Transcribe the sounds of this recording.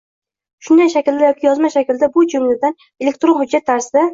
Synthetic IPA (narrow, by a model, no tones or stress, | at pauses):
ʃʊnd̪ajʃakʲld̪ajɒkʲʰɪjɒzmaʃakʲɪld̪abʊd͡ʒʊmlɪd̪an | elʲek̚t̪ɾonhʊd͡ʒːat̪ʰːaɾsɪd̪a